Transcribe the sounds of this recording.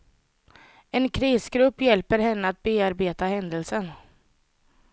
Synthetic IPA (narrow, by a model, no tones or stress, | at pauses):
ɛnkʰɾiːsɡɾɵpːjɛlpəɾhɛnːəat̪̚beːaɾbeːt̪ahɛnd̪əlsən